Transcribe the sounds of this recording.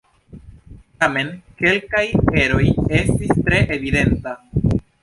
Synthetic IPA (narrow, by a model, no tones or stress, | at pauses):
tame̞nke̞lkaje̞ɾo̞je̞stistɾe̞ʔevid̪e̞nta